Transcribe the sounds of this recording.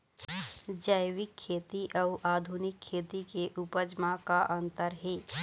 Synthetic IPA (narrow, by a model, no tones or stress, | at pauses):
d͡ʒəjwɪkʰːeːt̪iʔəʊʔaːd̪ʱunɪkʰːeːt̪ikeʔupəd͡ʒmakaʔə̃nt̪əɾɦeː